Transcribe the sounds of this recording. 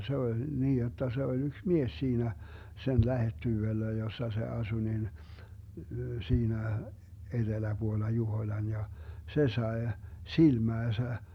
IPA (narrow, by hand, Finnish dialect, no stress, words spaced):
se olʲ niːj jotːɑ se olʲ yks mies siːnæ sen læhetːyʋelːæ josːɑ se ɑsu nin siːnæ ed̥elæb̥uolːɑ juhoĭlɑn jɑ se sɑe silmæːsæ